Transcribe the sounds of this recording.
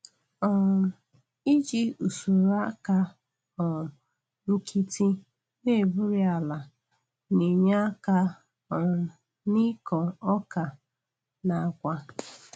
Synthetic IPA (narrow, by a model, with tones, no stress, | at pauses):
ɔ˨ɾ | i˦d͡ʒi˦u˨su˨ɾa˦ka˦ | ɔ˨ | ŋ̩˦kʰi˦ti˦ | ne˦˨bʊ˦ɾi˦a˨la˨ | ni˨ɲa˦ka˦ | ɔ˨ | ni˦kɔ˨ɔ˦ka˨ | na˨kʷa˦